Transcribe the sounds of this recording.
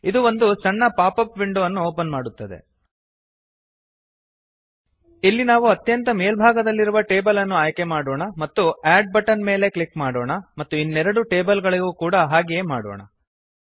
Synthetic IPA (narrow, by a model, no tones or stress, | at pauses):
id̪uo̞nd̪usɐɳːɐpaːpɐpʋiɳɖuʋɐnːuoːpɐnmaːɽut̪ːɐd̪e̞̰ | ilːinaːʋuɐt̪jɐnt̪ɐmeːlbʱaːɡɐd̪ɐlːiɾuʋɐʈe̞ːbɐlɐnːuaːjke̞maːɽoːɳɐmɐt̪ːuaːɖ̚bɐʈɐnme̞ːle̞kɭikmaːɽoːɳɐmɐt̪ːuinːɛɾɐɽuʈe̞ːbɐlɡɐɭiɡuːkuːɽɐɦaːɡejeːmaːɽo̰ːɳɐ̰